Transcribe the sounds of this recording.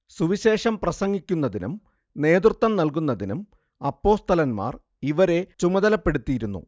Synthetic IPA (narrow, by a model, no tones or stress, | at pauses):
suʋiɕe̞ːʂɐmprɐsɐŋːikʲːunːɐðinṵm | ne̞ːd̪rut̪ːɐmnɐlk̬unːɐðinum | ɐpːo̞ːst̪ɐlɐnma̰ːr | iʋɐɾe̞t͡ɕumɐðɐlɐpːe̞ɽut̪ːijiɾunːṵ